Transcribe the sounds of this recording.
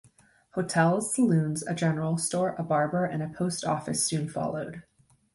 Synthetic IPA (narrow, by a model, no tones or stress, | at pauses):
hoʊtʰɛlˠz̥səlʉ̃nzɨ̰d͡ʒɛnə˞l̩ˠstɔɹʔəbɑɹbə˞ʔɨ̃nɨpʰoʊstɔ̰fɨsʉ̃nfɑ̰lˠoʊd̥